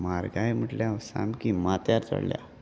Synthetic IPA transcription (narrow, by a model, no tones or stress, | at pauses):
maɾɡajm̤əʈljaʋsa̰mkimat̪jaɾt̪ə̰ɽlja̰